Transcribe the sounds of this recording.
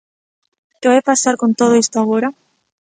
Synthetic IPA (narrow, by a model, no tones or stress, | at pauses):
kɪβajpasaɾkont̪oð̞ʊist̪oaɣoɾa